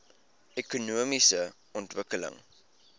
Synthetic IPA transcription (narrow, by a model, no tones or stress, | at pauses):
ekunuəmisə | ɔntvəkələ̰ŋ